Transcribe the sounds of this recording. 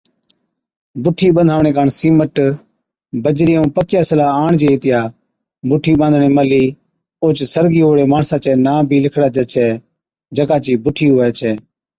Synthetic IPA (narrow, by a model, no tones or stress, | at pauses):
bʊʈʰiːɓənd̪ʱaːʋɳeːkaːɳsiːməʈ | bəd͡ʒɾiːũːpəkjaːsəlaːaːɳd͡ʒeːeːt̪ɪjaː | bʊʈʰiːɓãːnd̪ʱɳeːməliː | oːt͡ʃsəɾɡiːoːɽeːmaːɳsaːt͡ʃɛːnaːbʱiːlɪkʰɽaːd͡ʒɛːt͡ʃʰɛː | d͡ʒəkaːt͡ʃiːbʊʈʰiːɦoɛːt͡ʃʰɛː